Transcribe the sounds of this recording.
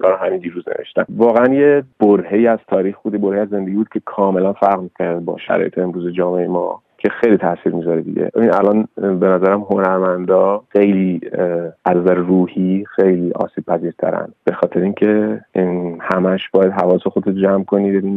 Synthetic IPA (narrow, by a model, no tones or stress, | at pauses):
ɡɒɾhæmind̪iːɾuznḛveʃt̪æ̰nvɒːɣeænjeb̥oɾhejiːæz̥t̪ʰɒːɾiːxbuːd̪jeboɾheiæzːe̞nd̪eɟibuːd̪̚cʰekʰɒːme̞lænfæɾɣmikʰæɾd̪̚bɒ̰ʃæ̰ɾɒ̰ːjet̪ʰeːmɾuːzed͡ʒɒːmeeemɒ̰ | cʰe̞xejlit̪ʰæsiːɾmizɒɾed̪ḭɟʲḛinæ̰lɒnbe̞næzæɾæmɦonæɾmænd̪ɒːxe̞jliː | ʔæzæɾruːhixejliʔɒ̰ːsiːb̥̚pʰæziːɾt̪ʰæ̰ɾæ̰nb̥e̞xɒːt̪ʰe̞ɾeiːŋcʰe | hæmæʃbɒːjæd̪ɦævɒːsexod̪et̪d͡ʒæmkʰo̞nibed̪in